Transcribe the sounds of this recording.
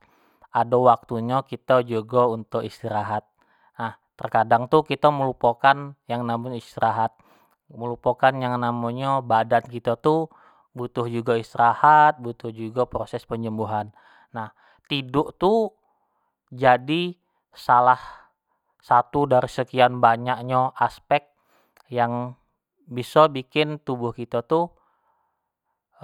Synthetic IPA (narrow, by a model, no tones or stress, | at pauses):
ʔadawak̚t̪uɲakit̪ad͡ʒuɡaunt̪ʊkist̪iɾaɦat̪̚ | naht̪ərkadaŋt̪ukit̪aməlupakanjaŋnamoɲist̪iɾaɦat̪̚ | məlupakanjaŋnamoɲabadankit̪at̪u | but̪ʊhd͡ʒuɡaist̪iɾahat̪̚but̪ʊhd͡ʒuɡapɾosɛspəɲd͡ʒəmbuɦanː | ah | t̪idʊʔt̪u | d͡ʒadi | salah | sat̪udaɾisəkianbaɲak̚ɲaʔaspɛk̚t̪̚ | jaŋ | bisɔbikɪnt̪ubʊhkit̪at̪u